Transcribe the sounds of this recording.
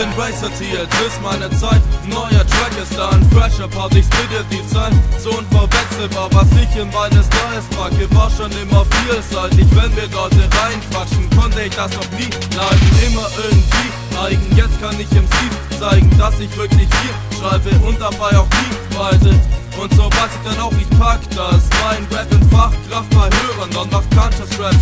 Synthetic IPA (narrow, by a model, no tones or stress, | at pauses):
ɪnʁɛɪsɐtʰiːtvɪstmaɪnət͡saɪtnɔʏɐtʁ̥ɛkəsd̥aɪnfʁ̥ɛʃɐpʰaːtɪçspididit͡saɪtz̥oʊnfɔɐvɛsl̩vaːɐvasɪçɪnmaɪnəsnɔʏəsmaːkəvaːɐʃoːnɪmɐfiːlzaɪtɪçv̥ɛnviːɐdaɐtəʁaɪnkv̥at͡ʃn̩kʰɔntəɪçd̥asnɔχniː | laɪɡŋ̩ʔɪmɐʔɪɐɡŋ̩tv̥iː | aɪɡŋ̩jɛt͡stkʰanɪçɪmsiːf | t͡saɪɡŋ̩dasɪçv̥ɪɐklɪçfiː | ʃʁaɪbəʔʊnt̚d̥abaɪaʊxd̥iːvaɪzəʔʊntz̥ovaɪsɪçd̥anaʊxɪçpʰaktasmaɪnɹɛpɪnfaχkʁ̥aft̚b̥ahøːʁəndɔndɔχkʰantəsɹɛp